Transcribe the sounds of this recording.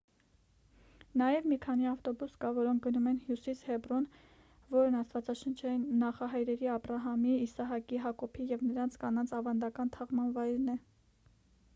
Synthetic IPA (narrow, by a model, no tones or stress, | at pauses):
nɑjɛvmikʰɑniɑft̪ɔbuskɑvɔɾɔŋk̚ʰɡənumɛnhjusishɛbrɔn | vɔɾnɑst̪vɑt͡sɑʃənt͡ʃʰɛinːɑχɑɦɑjɾɛɾiɑprɑɦɑmiːsɑɦɑkiɦɑkɔpʰijɛvnəɾɑnt͡sʰkɑnɑnt͡sʰɑvɑnd̪ɑkɑnt̪ʰɑʁmɑnvɑjɾnɛ